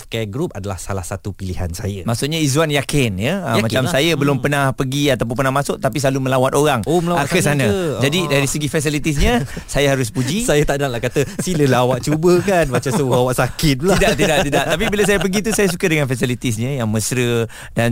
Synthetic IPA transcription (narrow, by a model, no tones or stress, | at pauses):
kɛɡɾup̚adala̰hsalahsat̪upiliha̰nsa̰jəmaʔsʊʔɲaizuanjakɪnjəmat͡ʃamsajəbəlʊmpənãhpəɡiat̪ap̬ʊnp̬ənahmasʊʔt̪apis̬lalumə̃lawat̪oɾaŋoməlawakəsanãd͡ʒadidaɾisəɡifɛs̬ilit̪is̬ɲə̃sajahaɾʊs̬pud͡ʒisajət̪aʔnaŋlahkat̪əsiləlawaʔt͡ʃubəkanmat͡ʃauawaʔsakɪt̪̚laidaʔt̪daʔ̪idaʔt̪ap̬ibilas̬ajəpəɡit̪usajəs̬ukədəŋanfɛsilit̪is̬ɲə̃jaŋməsɾə | dan